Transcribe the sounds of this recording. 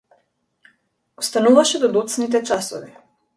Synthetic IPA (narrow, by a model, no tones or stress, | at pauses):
ɔst̪anuvaʃɛd̪ɔd̪ut̪snit̪̬ɛt͡ʃasɔvi